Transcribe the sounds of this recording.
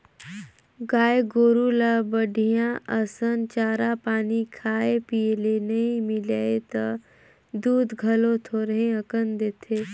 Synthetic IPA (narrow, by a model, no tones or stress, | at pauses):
ɡaːeɡoːɾulabəɖʱijãʔɐsənt͡ʃaːɾapaːnikʰaːepilenɐɦĩmɪlaːet̪ɐ | d̪uːd̪ɡʱɐlõt̪ʰoːɾəɦẽəkənd̪eːt̪ʰeː